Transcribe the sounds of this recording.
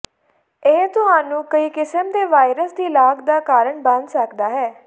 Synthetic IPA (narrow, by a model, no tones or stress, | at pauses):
ẽt̪ʊɦaːnũːkəiːkɪsəmd̪eːʋaːɪɾəsd̪iːlaːkd̪aːkaːɾəɳbə̃nd̪səkd̪aːɦɛː